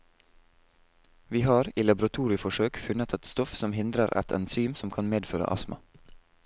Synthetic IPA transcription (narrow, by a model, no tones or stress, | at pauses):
ʋiːhɑːɾiːlɑbʊɾɑt̪ʰuːɾɪfɔʃøːkfʉnət̪ʰɛt̪st̪ɔfsɔmhɪnd̪ɾəɾʔɛ̰t̪ʰɛ̰nsyːmsɔmkʰɑnmeːd̪føːɾə̰ʔɑ̰smə̰